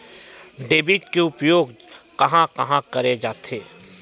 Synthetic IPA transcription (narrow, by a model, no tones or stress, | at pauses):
ɖeːbiʈkeʊpjoːɡkɐɦãkɐɦãkɐɾed͡ʒaːt̪ʰeː